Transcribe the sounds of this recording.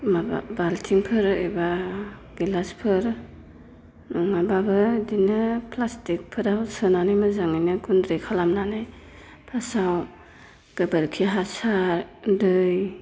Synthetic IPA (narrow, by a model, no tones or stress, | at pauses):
ma̰baltʰiŋpʰɯɾɯbaɡ̥ilaspʰɯɾ | ŋababɯdinɯpʰlastik̚pʰɯɾawsɯnanajmɯzaŋinɯɡundɾekʰalamnanaj | pʰasaw | ɡ̥ɯbaɾkʰiɦasaɾdɯj